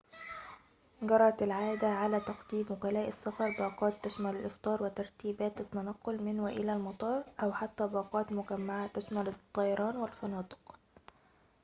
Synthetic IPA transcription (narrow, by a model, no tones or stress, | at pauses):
ɡɑɾˤːɑt̪ɪlʕaːd̪aʕalæt̪ɑqd̪iːmwʊkælæːʔɪsːɑfɑɾˤbɑːqɑːt̪ːaʃmælɪlʔɪft̪ˤɑːɾˤwɪt̪ɑɾˤt̪iːbæːt̪ɪt̪ːænɑqːʊlmɪnwɪʔɪlælmɑt̪ˤɑːɾˤʔæwħat̪ːæːbɑːqɑːt̪mʊɡæmːaʕat̪aʃmælɪt̪ˤːɑjɑɾˤɑːnwɪlfɑnɑːt̪ˤɨ̥q